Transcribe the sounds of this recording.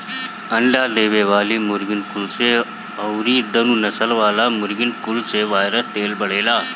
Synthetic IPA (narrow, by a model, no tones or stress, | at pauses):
əɳɖad̪eːʋeʋaːliːmuɾɡinkulse | əwɾiːd̪ənunɐsəlʋaːlamʊɾɡɪnkulseʋaːjɾət̪eːlbɐɽ̤eːlaː